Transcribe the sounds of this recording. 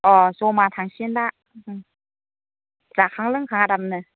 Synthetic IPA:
ʔɔsomat̪ʰaŋsinda | z̥akʰaŋlɯŋkʰaŋaɾamnɯ

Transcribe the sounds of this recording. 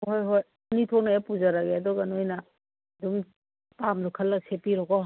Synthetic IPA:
ɦojɦoj | unitʰonajapud͡ʒaɾaɡeadɔɡɐnojnɐ | dum | pamlukʰɐlːɐsepiɾɔɡɔɦ

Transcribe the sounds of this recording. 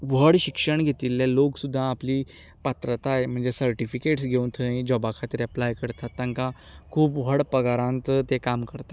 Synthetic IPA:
ʋ̤əɽɕikʂəɳɡʱet̪iːlːjaloksud̪ʱːãːpliː | pat̪ɾət̪aem̤əɳd͡zesəɾʈifikeʈsɡʱeũnt̪ʰəĩd͡ʑɔbakʰat̪ɾjaplajkəɾt̪at̪ːãŋka | kʰuːpʋ̤əɽpəɡaɾãnt̪t̪ekamkəɾt̪a

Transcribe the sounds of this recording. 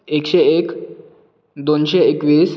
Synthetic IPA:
ekɕeek | d̪onɕeekʋiːs

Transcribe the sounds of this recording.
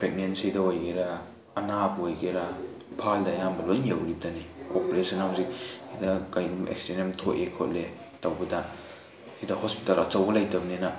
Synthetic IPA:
pɾek̚nensidɐojɡeɾɐː | nabojɡeɾɐ | ipʰaldɐːjambɐlojnjewɾib̚dɐnikopeɾesɐnamuziksidɐkajɾumḛkstenemtʰoʔekʰo̰tle | tawbɐdɐ | sidɐhospi̥talɐt͡ʃɐwɡɐlajtɐbnenɐ

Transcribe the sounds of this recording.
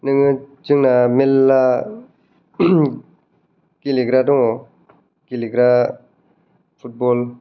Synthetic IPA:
nɯŋɯd͡ʒɯŋnamelːa | kiliɡɾadɔŋɔ | kiliɡɾa | pʰut̚bɔl

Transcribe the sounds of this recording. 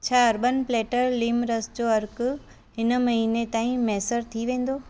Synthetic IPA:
t͡ɕʰaːɐɾbənpleːʈəɾliːmɾəsd͡ʑoːɐɾkʊ | ɦɪnmɐɦiːnet̪aːĩmɛːsəɾt̪ʰiʋẽːn̆d̪oː

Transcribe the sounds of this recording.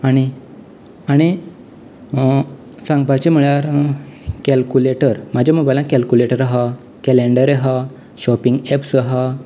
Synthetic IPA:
aɽ̃i | aɽ̃i | sãŋɡpat͡ɕim̤əɭaɾ | kɛlkuleʈəɾmad͡ʑaməɡbalãkɛlkuleʈəɾaɦa | kɛleɳɖəɾeɦa | ɕɔpiŋɡɛpsəɦa

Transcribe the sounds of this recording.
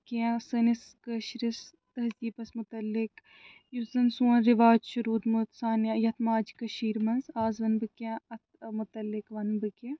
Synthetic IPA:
kãsɐnis | kəʃɾis | t̪ɐɦziːpɐsmʊt̪ɐlːɪk | juzɐnsuɐnɾɪʋaːd͡ʒʃɐɾuːd̪mut̪saːnjajɐt̪ʰmaːd͡ʒkɐʃiːɾmɐnzaːzʋɐnbɨkjãɐt̪̚ʰmʊt̪ɐlːɪkʋɐnbɨke

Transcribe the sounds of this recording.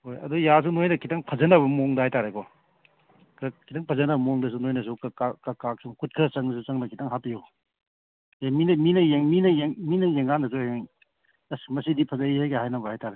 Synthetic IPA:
hojɐ̰dujas̬unojnɐkʰitaŋpʰɐzɐnɐβɐmɔŋdɐhajtaɾekɔ | kɐkʰitaŋpʰɐzɐnɐbɐmɔŋdɐs̬unojnɐs̬ukakakakak̚suŋkut̚kʰɐt͡ʃɐŋnɐs̬ut͡ʃɐŋnɐkʰitaŋɦapiju | eminɐminɐjeŋminɐjeŋminɐjeŋandɐs̬oeŋ | smɐsidipʰɐzɐihajkahajnɐbɐhajtaɾe

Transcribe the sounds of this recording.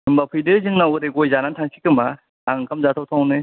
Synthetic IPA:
ɯmbapʰɯdɯzɯŋnawɯɾeɡojzanantʰaŋsʰikɯma | aŋkʰamzat̪ʰawt̪ʰanɯ

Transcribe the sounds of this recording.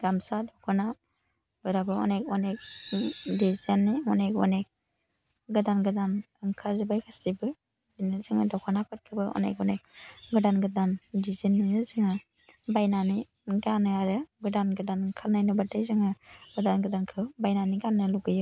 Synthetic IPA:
ɡ̥amsadɔkʰɔna | bɯɾabɯɔ̰nekɔnek̚dizanːiɔnekɔ̰nek̚ | ɡɯdanɡɯdan | ɯŋkʰaɾzɯbajkʰasɾibɯ | dinɯzɯŋɯdɔkʰɔnapʰɯt̚kʰɯbɯɔ̰nḛkɔ̰nek̚ɡɯdanɡɯdandizinːinɯzɯŋɯ | bajnani | ɡanɯaɾɯɡɯdanɡɯdanɯŋkʰalnajnɯbatajzɯŋɯɡɯdanɡɯdankʰɯwbajnaniɡanːɯluɡɯjɯ

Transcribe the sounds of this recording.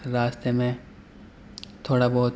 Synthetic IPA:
ɾaːst̪emẽ | t̪ʰoːɽabɔːt̪

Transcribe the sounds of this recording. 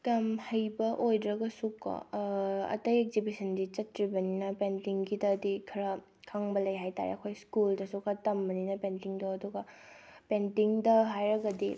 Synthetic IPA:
kɐmhɐjbɐʔojdɾɐɡɐsukːɐ̰ɐ̰tɐjek̚zibisʰɐndit͡ʃɐtɾibɐninɐpentiŋɡidɐːdikʰɐɾɐ | kʰaŋbɐlɐjɦajta̰ɾḛɐkʰojskuldɐsukʰɐtɐmbɐninɐpentiŋdoɐduɡɐpentiŋdɐɦajɾɐɡɐdi

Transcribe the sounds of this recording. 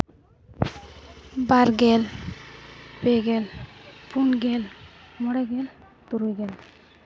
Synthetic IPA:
baɾɡɛl | beɡɛlpunɡɛl | mɔɽɛɡel | t̪uɾujɡɛl

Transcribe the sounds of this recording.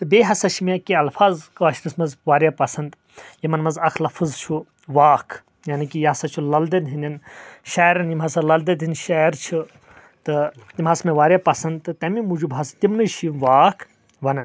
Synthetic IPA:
t̪ɨbeːɦɐsɐt͡ʃʰimʲakiɐlfʰaːzkaʃɾismɐzʋaːɾjapɐsɐnd̪ | jimɐnmɐzɐkʰlɐfʰɨzt͡ʃʰu | ʋaːkʰ | jaːnikijɐɐsɐt͡ʃʰulɐld̪ɐd̪ɦind̪ʲɐnʃaːɾɐnjimɦɐsɐlɐld̪ɐd̪ɦinʃaːɾt͡ʃʰi | t̪ɨt̪imɦɐsmeʋaːɾʲjapɐsɐnd̪t̪ɨt̪ɐmimud͡ʒubɦɐst̪imnɨʃʰiʋaːkʰ | ʋɐnɐn

